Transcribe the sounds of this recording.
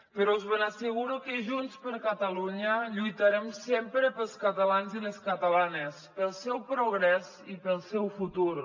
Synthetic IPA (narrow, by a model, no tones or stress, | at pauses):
pəɾɔuzβənasəɣ̞uɾukəʒunspəɾkət̪əluɲəʎujt̪aɾɛmsempɾəpəlˠskət̪əlanziləskət̪əlanespəlˠsɛwpɾuɣ̞ɾɛz | ipəlˠsɛwfut̪uɾ